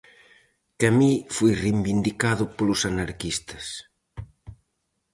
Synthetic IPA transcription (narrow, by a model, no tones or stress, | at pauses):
kamifujrembind̪ikaðʊpolusanaɾkist̪ɐ̥s